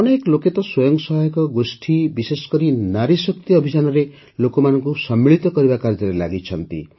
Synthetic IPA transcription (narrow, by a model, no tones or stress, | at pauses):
ɔneekɔloket̪ɔswɔjɔŋksɔɦajɔkɔɡosʈʰibisesɔ̥kɔɾinaɾisɔkt̪iɔbʱid͡ʒanɔɾe | lokɔmanɔŋkusɔmːiɭit̪ɔkɔɾibakaɾd͡ʒɔɾelaɡit͡ʃʰɔnt̪ḭ